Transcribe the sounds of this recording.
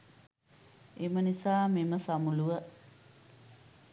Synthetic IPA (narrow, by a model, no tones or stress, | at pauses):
emənisaːmeməsamuluʋə